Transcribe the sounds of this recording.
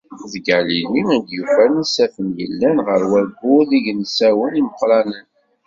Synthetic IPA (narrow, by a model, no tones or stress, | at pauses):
ðəɡəʕliliæd̪jufænəsæfənjə̰lːænʁəɾwælɡʊðiʝnsæwəniməqɾˤɑnən